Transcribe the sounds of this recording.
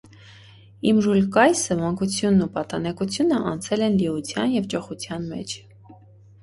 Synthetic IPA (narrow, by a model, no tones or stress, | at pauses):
imʒulkɑjsəmɑŋkut͡sʰjunːupɑt̪ɑnɛkut͡sʰjunəʔɑ̰nt͡sʰɛlɛnliut͡sʰjɑnjɛvd͡ʒɔχut͡sʰjɑnmɛ̰t͡ʃʰ